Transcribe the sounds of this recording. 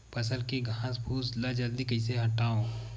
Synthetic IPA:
pɐsəlkeɡʱãːsbʱuːslad͡ʒɐld̪ikɐɪseɦɐʈːaːõː

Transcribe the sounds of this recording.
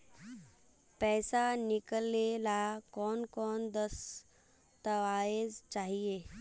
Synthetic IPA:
pɛːsanɪkəlːelakɔːnkɔːnd̪əs | t̪əʋaːezt͡ʃaːɦieː

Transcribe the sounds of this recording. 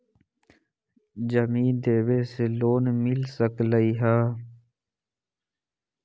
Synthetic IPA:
d͡ʒəmiːd̪eːweːseːloːnmɪlsəkləiːɦaː

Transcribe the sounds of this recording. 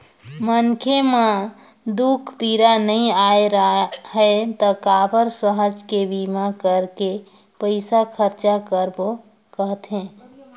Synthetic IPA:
mənkʰemã | d̪ukʰpiɾanəĩaeɾɦəet̪əkabəɾsəɦəd͡ʒkebimakəɾke | pəɪsakʰəɾt͡ʃakəɾbo | kəɦət̪ɦẽː

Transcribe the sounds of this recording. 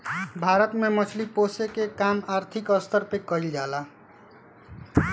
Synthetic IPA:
bʱaɾət̪memət͡ʃʰliposekekamaɾt̪ʰikəst̪ʰəɾpekəild͡ʒala

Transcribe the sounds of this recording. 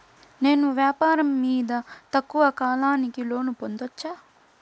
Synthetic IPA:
ne̞ːnuʋjaːpaːɾɐmːiːd̪ɐt̪ɐkːuʋɐkaːlaːnikilo̞ːnupond̪ɐt͡ʃːaː

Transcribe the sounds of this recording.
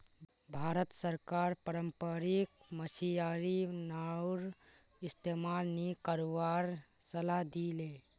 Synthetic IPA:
bʱaːɾət̪səɾkaɾpəɾəmpəɾik̚məsijaɾinaɾ | ɪst̪emalnekəɾowaɾsəlad̪ile

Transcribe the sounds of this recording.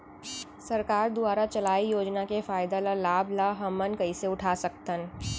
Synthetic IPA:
sɐɾkaːɾd̪ʊaːɾat͡ʃɐlaːijoːd͡ʒnakefaːɪd̪alalaːblaɦɐmːənkɐiseʊʈʰaːsɐk̚t̪ən

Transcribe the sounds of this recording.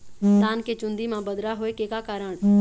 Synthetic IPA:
d̪aːnket͡ʃʊ̃nd̪imãːbəd̪ɾaɦoːekeːkakaːɾəɳ̃

